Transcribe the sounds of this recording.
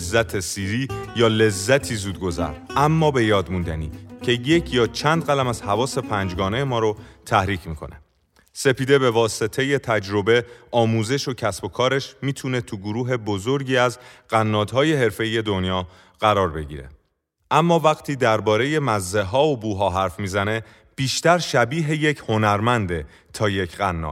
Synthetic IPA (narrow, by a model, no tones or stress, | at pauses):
zːæt̪ʰesiːɾiːjɒːle̞zːæt̪ʰiːzuːd̪̚ɡo̞zæ̰ɾʔæmːɒːbe̞jɒːd̪mund̪æniːcʰe̞je̞cʰjɒːt͡ʃʰænd̪ɣælæmæz̥hævɒːse̞pʰænd͡ʒɡɒːnejemɒːɾot̪ʰæhɾiːcʰmiːkʰo̞̰nḛ | se̞piːd̪e̞be̞vɒːse̞t̪ʰe̞je̞t̪ʰæd͡ʒɾo̞be̞ɒːmuːze̞ʃocʰæsb̥o̞kʰɒːɾeʃmiːt̪ʰune̞t̪ʰuɡoɾuːɦe̞bozo̞ɾɟiːæzɢ̥ænːɒːd̪̥ɦɒːje̞ɦe̞ɾfe̞iːje̞d̪onjɒː | ɢ̥æɾɒːɾbe̞ɟḭːɾe̞̰ | ʔæmːɒːvæɣt̪ʰiːd̪æɾbɒːɾe̞je̞mæzːeɦɒːobuːɦɒːɦæɾfmiːzæne̞ | b̥iːʃt̪æɾʃæbiːɦe̞je̞cʰho̞næɾmænd̪e̞ | t̪ʰɒːje̞cʰɢænːɒ̰ːd̪̥